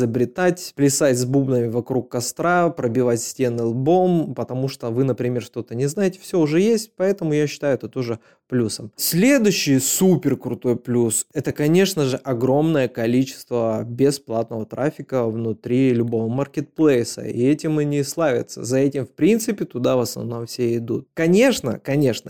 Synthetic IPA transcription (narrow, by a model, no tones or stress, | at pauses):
zəbɾʲɪt̪atʲplʲɪsatʲzbubnəmʲɪvɐkɾukːɐst̪ɾapɾəbʲɪvatʲsʲtʲe̞nːɨlˠbo̞mpət̪ɐmuʂt̪o̞vɨnəpɾʲɪmʲe̞rʂt̪o̞t̪ənʲɪznajɪtʲɪ̥fsʲɵʊʐɛjesʲt̚ʲpɐɛt̪əmʊjaɕːɪ̥t̪ajʊɛt̪ət̪o̞ʐɨ | plʲusəmsʲlʲed̪ʊɕːɪjsupʲɪrkɾʊt̪o̞jplʲusɛt̪əkɐnʲe̞ʂnəʐɨʔɐɡɾo̞mnəjəkɐlʲit͡ɕɪ̥st̪vəbʲɪsplˠat̪̚nəvət̪ɾʔafʲɪkəvnʊt̪ɾʲilʲʊbo̞vəmɐrkʲɪt̪̚plˠejsə̰ḭɛtʲɪmɨnʲɪslˠavʲɪ̰t̪sə̰zɐɛtʲɪmfpɾʲint̪sɨpʲɪt̪ʊd̪avəsnɐ̰vno̞mfsʲeɪd̪ṵt̪̚kɐnʲe̞ʂnə̰kɐnʲe̞ʂnə